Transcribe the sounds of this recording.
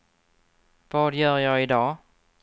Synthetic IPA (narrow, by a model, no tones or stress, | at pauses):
vɑːd̪jœːɾjɑːɪd̪ɑː